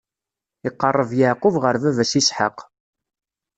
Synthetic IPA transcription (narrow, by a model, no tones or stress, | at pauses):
ɪqːərˤːəvjaʕqʊvʁəɾvævæsisħə̰q